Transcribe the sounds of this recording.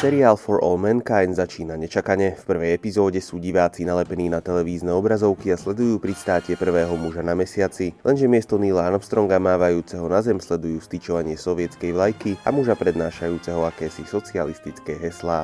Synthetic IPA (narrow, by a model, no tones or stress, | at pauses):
sɛɾiaːlfɔɾɔ̰lmɛnkajnzat͡ʃiːnaɲɛt͡ʃakaɲɛfpr̩ʋɛjɛpizɔːɟɛsuːɟiʋaːt͡sinalɛpɛniːnat̪ɛlɛʋiːznɛɔbɾazɔʊkiaslɛd̪ujuːpɾist̪aːcɪɛpr̩ʋɛːɦɔmuʒanamɛsɪat͡silʔɛnʒɛmɪɛst̪ɔniːlaanfst̪ɾɔŋɡamaːʋajuːt͡sɛɦɔnazɛmslɛd̪ujuːst̪it͡ʃɔʋaɲɪɛsɔʋɪɛt͡skɛjʋlajkia̰muʒapɾɛd̪naːʃajuːt͡sɛɦɔakɛːsisɔt͡sialist̪it͡skɛːɦɛslaː